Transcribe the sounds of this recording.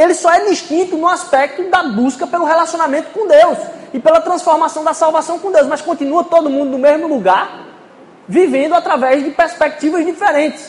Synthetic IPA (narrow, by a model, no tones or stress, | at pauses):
elɪsɔɛd̪iʃt̪ĩt̪ʊnʊaspɛk̚t̪ʊd̪ɐbuskɐpelʊɦelasiõnamẽnt̪ʊ̥kõd̪ewsɪpelɐt̪ɾɐ̃sfoɾmasɐ̃w̃d̪ɐsawvasɐ̃w̃kõd̪ewsmɐskõt̪ĩnuɐt̪od̪ʊmũnd̪ʊnʊmezmʊluɡaɾ | vivẽnd̪ʊat̪ɾavɛzd͡ʒɪpeɾspɛk̚t͡ʃ̪ivɐzd̪ifeɾẽt̪ɪ̥s